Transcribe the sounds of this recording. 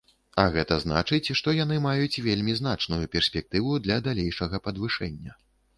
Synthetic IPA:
ɐɣɛt̪ɐzn̪a̰t͡ʂɨt͡sʲʂt̪ɔjan̪ɨmajut͡sʲvʲelʲmʲiznat͡ʂnujupʲɛrsʲpʲɛk̚t̪ɨvud̪lʲɐd̪alʲejʂɐɣɐpɐd̪vɨʂɛnʲːɐ

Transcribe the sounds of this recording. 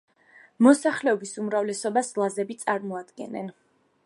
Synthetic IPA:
mɔsaχlɛɔbisumɾavlɛsɔbaslˠazɛbit̪sʼaɾmɔad̪ɡɛ̰nɛ̰n

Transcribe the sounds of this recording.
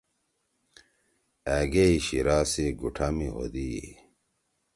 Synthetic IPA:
æɡeiɕiɾaːsiɡuʈʰɐmio̰d̪iḭ

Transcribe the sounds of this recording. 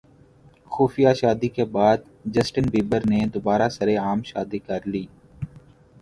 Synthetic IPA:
xuːfijaʃaːd̪ikebaːd̪̚ | d͡ʒəsʈənbiːbəɾned̪ʊbaːɾasɐɾeaːmʃaːd̪ikɐɾliː

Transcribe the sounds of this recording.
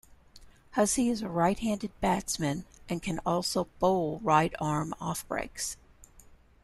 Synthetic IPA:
hʌsiɨzəɹaɪt̚hæ̃ndɨd̚bætsmɨ̃nʔɨ̃nkʰɨ̃nɔlˠsoʊb̥oʊlˠɹaɪɾɑɹmɔfb̥ɹḛɪks

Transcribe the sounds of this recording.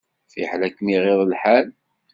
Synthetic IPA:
fiħlækːmiʁɪðˤlħal

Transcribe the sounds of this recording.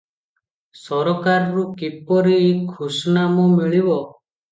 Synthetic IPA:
sɔɾɔkaɾɾukipɔɾiːkʰːusɔnamɔmiɭibɔ

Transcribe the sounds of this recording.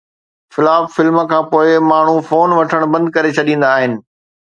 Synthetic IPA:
xɪlaːffɪlmkʰãːpoːɪmaːɳ̤ufoːnʋɐʈʰəɽ̃bɐ̃nd̪̚kɐɾet͡ɕʰɐɗĩːn̆d̪aːɦɪnɪ̆

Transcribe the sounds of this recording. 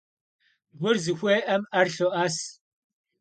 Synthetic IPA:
ɡʷʊrzɨxʷeːʔɐmɐrɬoʔaːs

